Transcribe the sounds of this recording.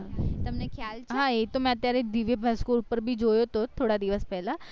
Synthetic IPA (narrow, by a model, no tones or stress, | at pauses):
t̪ɐmnekʰjalt͡ʃʰɦãet̪omɛ̃ət̪ːjaɾed̪iʋebʱaskoupəɾbʱid͡ʒojot̪ot̪ʰoɽad̪iʋəspɛɦla